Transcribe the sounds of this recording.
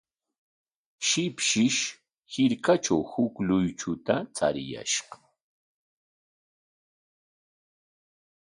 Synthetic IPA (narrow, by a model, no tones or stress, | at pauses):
ʃɪpʃɪʃ | hɪɾkat͡ʃawhʊklʊjt͡ʃʊt̪at͡sa̰ɾɪja̰ʃɢɑ